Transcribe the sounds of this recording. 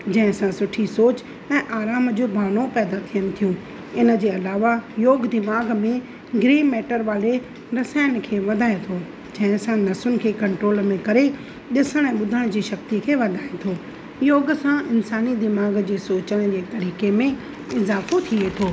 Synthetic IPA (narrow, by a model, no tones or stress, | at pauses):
d͡ʑɐ̃ɦɪ̃sãsʊʈʰisoːt͡ɕ | ɛ̃ːʔaːɾaːmd͡ʑoːbʱaːɽ̃opɛːd̪at̪ʰijəñɪ̃̆t̪ʰijũ | ɪnə̆d͡ʑeːɐlaːʋajoːɡd̪ɪmaːɡmẽ | ɡɾeːmeːʈəɾʋaːle | ɾɐsaːɪən̆kʰeːʋɐd̪ʱaːet̪ʰoː | d͡ʑɐ̃ɦɪ̃sãnɐsʊnɪ̆kʰeːkɐ̃ɳʈɾoːlmẽkɐɾe | ɗɪsəɽ̃ɛ̃ːɓʊd̪ʱəɽ̃d͡ʑiːʃɐk̚t̪ikʰeːʋɐd̪ʱaːet̪ʰoː | joːɡsãɪnsaːnid̪ɪmaːɡd͡ʑeːsoːt͡ɕəɽ̃d͡ʑeːt̪ɐɾiːkemẽ | ɪzaːfot̪ʰiet̪ʰoː